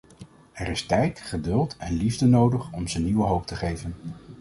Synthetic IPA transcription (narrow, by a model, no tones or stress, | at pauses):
ɛɾɪstɛjtχədɵlˠtɛnlivdənowdəχɔmzəniwəɦowp̚təχejvən